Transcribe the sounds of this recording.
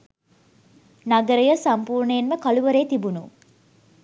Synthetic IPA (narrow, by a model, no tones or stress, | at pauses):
naɡəɾəjəsampuːɾɳəjenməkaluʋəɾeːt̪ibunu